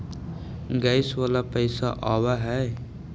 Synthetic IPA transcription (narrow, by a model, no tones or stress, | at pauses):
ɡaɪswalapəɪsaʔawaɦɛ